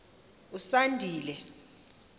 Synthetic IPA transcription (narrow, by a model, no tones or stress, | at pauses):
usandʱiːlɛ